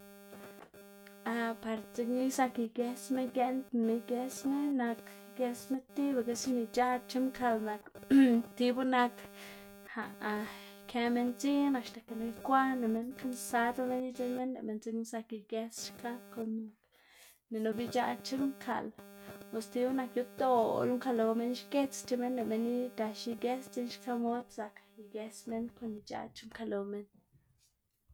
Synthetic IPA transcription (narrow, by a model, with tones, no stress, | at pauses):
a˧pa˨˧ɾt͡se˧kni˦sa˧ki˧ɡe˧sme˦nɡe˧nt̪mi˧ɡe˧sne˦na˧k | ɡe˧sme˦t̪i˦ba˧˨ke˧si˦ni˧t͡ʃa˦t͡ʃi˦mkʰa˧lna˧kt̪i˧bu˦na˧k | ha˨˧ | kʰe˧me˧nt͡si˦na˧ʃt̪a˨ke˨na˧jkʷa˦ne˨me˧nka˧˦nsa˧d̪o˦me˦ni˦t͡ʃe˦me˦nlḛ˨ʔme˧˨nt͡si˧˦ksa˧ki˧ɡe˧sʃka˦ko˧n | ne˨no˧bi˧t͡ʃa˧t͡ʃi˦ŋkʰa̰˨lpo˧st̪i˧˦bu˦na˧kju˧t̪o˦o̰˧lu˦ŋka˧lo˨˧me˦nʃke˦t͡st͡ʃe˧me˦nle˨me˧ni˦ɡa˧ʃi˧ɡe˦st͡si˦nʃka˦mo˦d̪̚sa˧kji˧ɡe˧sme˦nko˧˦ni˧t͡ʃa̰˧t͡ʃi˦ŋka˧lo˨me˧n